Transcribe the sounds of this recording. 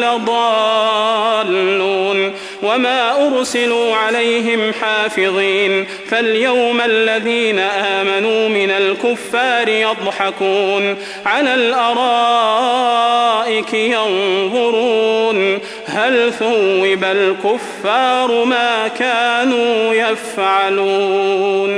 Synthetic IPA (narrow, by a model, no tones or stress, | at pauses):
lɑd̪ˤɑ | lːuːn | wamaːʔʊɾsɪluːʕalajɦɪmħaːfɪðˤiːn | faljawmalːaðiːnaʔaːmanuːmɪnalkʊfːaːɾɪjɑd̪ˤħɑkuːn | ʕalaːlʔɑɾˤɑː | ʔɪkjɑnðˤʊɾuːn | halθʊwːɪbalkʊfːɑːɾˤmaːkaːnuːjafʕaluːn